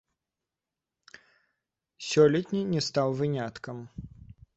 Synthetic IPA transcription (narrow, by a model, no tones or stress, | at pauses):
sʲɔlʲɛt̪ʲnʲinʲɛst̪awvɨnʲat̪kɐm